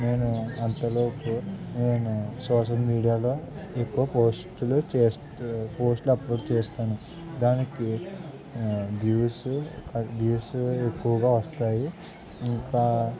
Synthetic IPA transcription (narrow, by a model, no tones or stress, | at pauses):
ne̞ːnuɐnt̪ɐloːpuneːnusɔːʂ̬ɐlmiːɽijaːlo̞ːe̞kːuʋɐpoːsʈulut͡ʃeːs | po̞ːsʈlɐploːɽt͡ʃeːst̪aːnu | d̪aːniki | d̪juːskɐd̪uːsuekːuʋɐɡaːʋɐst̪aːji | iŋkaː